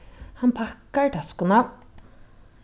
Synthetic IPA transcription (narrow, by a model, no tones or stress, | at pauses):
hɑnpʰɑkəɹʈʰɑskʊnɑ